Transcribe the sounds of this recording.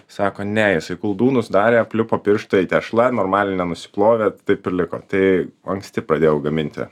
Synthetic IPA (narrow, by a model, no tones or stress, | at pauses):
sɑːkoːnʲɛjɪsɐɪkʊlˠd̪uːnʊsd̪ɑːɾʲeːpʲlʲʊpoːpʲɪɾʃt̪oːit̪ʲɛʃlˠɐnoːɾmɑːlʲɪnʲɛnʊsʲɪ̥plˠoːʋʲet̪ɐɪpɪɾʲlʲɪko̰ːt̪ɐɪɐŋksʲt̪ʲɪpɾɐd̪ʲeːjɛʊɡɐmʲɪnʲt̪ʲɪ̰